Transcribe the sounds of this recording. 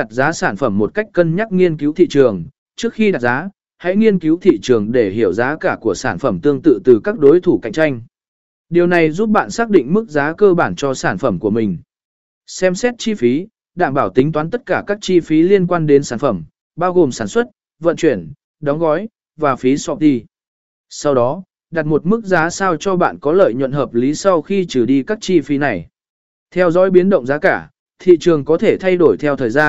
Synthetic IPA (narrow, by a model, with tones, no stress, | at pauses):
a˨˩t̚zaː˨˦saː˧˩nfə˧˩mːo˨˩t̚ka˦˥jk̟̚kə˧nɲa˦˥t̚ŋi˧ənki˨˦wt̪ʰḭ˧˨t͡ɕɨ˨˩əŋ | t͡ɕɨ˦˥ək̚xi˧ɗa˨˩zaː˨˦ | ha̰˧˥jŋi˧ənki˨˦wt̪ʰḭ˧˨t͡ɕɨ˨˩əŋɗe˧˩ɦi˧˩əwzaː˨˦kaː˧˩ku˧˩əsaː˧˩nfə˧˩mt̪ɨ˧əŋt̪ɨ̰˧˨t̪ɨ˨˩kaː˦˥k̚ɗo˨˦jt̪ʰu˧˩ka̰˧˨jŋ̟̚t͡ɕa˧jŋ̟ | ɗi˨˩əwna˨˩jzu˦˥p̚ɓa̰ː˧˨nsaː˦˥k̚ɗḭ˧˨ŋ̟mɨ˦˥k̚zaː˨˦kəː˧ɓaː˧˩nt͡ɕɔ˧saː˧˩nfə˧˩mku˧˩əmï˨˩ŋ̟ | sɛ˧msɛ˦˥t̚t͡ɕi˧fi˨˦ | ɗa̰ː˧˨ŋɓaː˧˩wt̪ï˨˦ŋ̟t̪waː˨˦nt̪ə˦˥t̚kaː˧˩kaː˦˥k̚t͡ɕi˧fi˨˦li˧ənkwaː˧nɗe˨˦nsaː˧˩nfə˧˩m | ɓaː˧wɣo˨˩msaː˧˩nswə˦˥t̚ | və̰˧˨nt͡ɕwi˧˩ən | ɗɔ˨˦wŋ͡mɣɔ˨˦j | vaː˨˩fi˨˦sɔ˧˩t̪i˧ | sa˧wɗɔ˨˦ | ɗa˨˩t̚mo˨˩t̚mɨ˦˥k̚zaː˨˦saː˧wt͡ɕɔ˧ɓa̰ː˧˨nkɔ˨˦lə̰ː˧˨jɲə̰˧˨nhɦəː˨˩p̚li˨˦sa˧wxi˧t͡ɕɨ˧˩ɗi˧kaː˦˥k̚t͡ɕi˧fi˨˦na˨˩j | t̪ʰɛ˧wzɔ̰˨˦jɓi˨˦ənɗə̰˧˨wŋ͡mzaː˨˦kaː˧˩ | t̪ʰḭ˧˨t͡ɕɨ˨˩əŋkɔ˨˦t̪ʰe˧˩t̪ʰa˧jɗo˧˩jt̪ʰɛ˧wt̪ʰəː˨˩jzaː˧n